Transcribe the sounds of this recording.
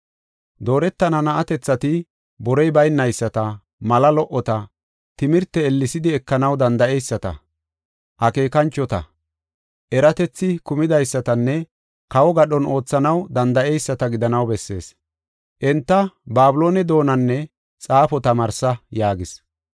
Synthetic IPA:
d̪o̞ːɾɛt̪ːɐnɐnɐʔɐt̪ɛt͡sːɐt̪ɪ | bɔɾɔjbɐjnːɐjsːɐt̪ɐ | mɐlɐlɔʔɔt̪ɐ | t̪ɪmɪɾt̪ːɛːlːɪsɪd̪ɪɛkːɐnɐwd̪ɐnd̪ɐʔɛjsːɐt̪ɐ̰ | ʔɐke̞ːkɐnt͡ʃːɔt̪ɐ̰ | ʔɛɾɐt̪ɛt͡sːɪkʊmɪd̪ɐjsːɐt̪ɐnːɛ | kɐwɔɡɐɗɔno̞ːt͡sːɐnɐwd̪ɐnd̪ɐʔɛjsːɐt̪ɐɡɪd̪ɐnɐwbɛsːe̞ːs | ʔɛnt̪ːɐbaːbʊlo̞ːnɛd̪o̞ːnɐnːɛ | t͡sʼaːfɔt̪ɐmɐɾsɐjaːɡɪs

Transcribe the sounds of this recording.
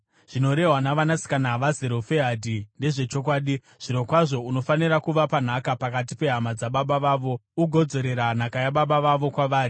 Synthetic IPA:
ʐ̥ino̞ɾe̞ɦwanaʋanasi̥kanaʋaze̞ɾo̞feɦadʱinde̞ʐe̞t͡ʃo̞kwaːɗi | ʐ̥ino̞kwaʐo̞uno̞faniɾakuʋapan̤akapakat̬ipe̞ɦamad͡zaɓaɓaʋaːʋo̞uɡʱo̞d͡zo̞ɾe̞ɾan̤akajaɓaɓaʋaʋo̞kwaʋaːri

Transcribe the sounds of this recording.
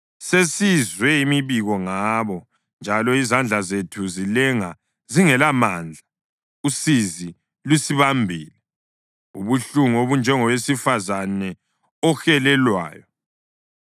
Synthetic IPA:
sesizwɛimiβiɣɔŋaβɔ | nd͡ʒʱalɔizand͡ɮʱazetʰuzilɛŋa | ziŋɛlamaːnd͡ɮʱa | usizi | lusiβambʱiːlɛ | ṵβuɬuŋuoβund͡ʒʱɛŋɔwesifazanɛ | ɔxɛlɛlwa̰ːjɔ

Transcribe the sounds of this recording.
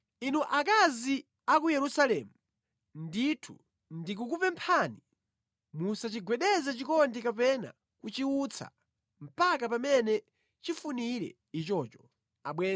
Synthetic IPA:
inuʔakazi | ak̬ujɛɾusalɛmu | nditʰu | ndik̬ukupɛmpʰani | musat͡ʃiɡwɛɗɛzɛt͡ʃikɔndikapɛna̰ | kut͡ʃiut͡sʰa̰ | m̩pakapamɛnɛ | t͡ʃifuniɾɛ̰ | it͡ʃɔt͡ʃɔ̥ | aɓwɛː

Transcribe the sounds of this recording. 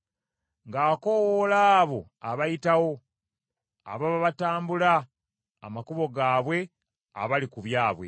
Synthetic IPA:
ŋɡaːko̞wolaːβo̞ | aβajitawo̞ | a̰βaβaβataːmbula̰ː | makuβo̞ɡaːβwe̞ | a̰βalikuβjaːβwe̞̰

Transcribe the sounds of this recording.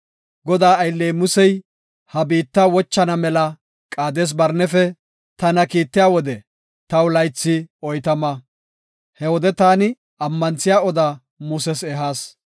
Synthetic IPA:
ɡɔd̪aːɐjlːɛjmʊsɛj | hɐbiːt̪ːawɔt͡ʃːɐnɐmɛlɐ | kʼaːd̪eːs̬bɐɾnɛfɛ | t̪ɐnɐkiːt̪ːɪjaːwɔd̪ɛ | t̪ɐwlɐjt͡sːɪɔjt̪ɐmɐ | hɛwɔd̪ɛt̪aːnɪ | ɐmːɐnt͡sɪjaːɔd̪a | mʊsɛsɛɦaːs

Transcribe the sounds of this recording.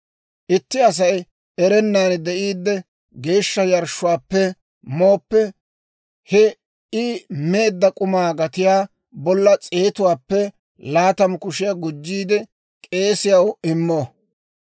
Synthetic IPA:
ʔɪt̪ːɪɐs̬ɐj | ɛɾɛnːaːnd̪ɛʔiːd̪ːɛ | ɡe̞ːʃːɐjɐɾʃʊwaːpːɛ | moːpːɛ | hɛ | ime̞ːd̪ːɐkʼʊmaːɡɐt̪ɪjaː | bɔlːɐt͡sʼe̞ːt̪ʊwaːpːɛ | laːt̪ɐmkʊʃɪjaɡʊd͡ʒːiːd̪ɛ | kʼe̞ːsɪjɐwɪmːoː

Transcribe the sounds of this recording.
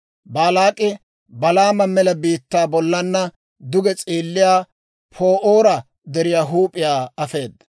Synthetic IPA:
baːlaːkʼɪ | bɐlaːmɐmɛlɐbiːt̪ːaːbɔlːɐnːɐ | d̪ʊɡɛt͡sʼiːlːɪjaː | pʰoːʔoːɾɐ | d̪ɛɾɪjaːɦuːpʼɪjaːɐfe̞ːd̪ɐ

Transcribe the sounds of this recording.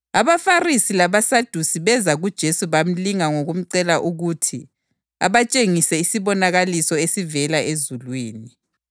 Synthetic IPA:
aβafarisilaβasad̥ʱusiβɛzaɣud̥ʒ̥ʱesuβam̩liŋaŋoɣum̩ǀɛlaʔuɣutʰi | a̰βat͡ʃʼeŋisɛisiβɔnaɣalisɔesivɛlaʔezulwiːni

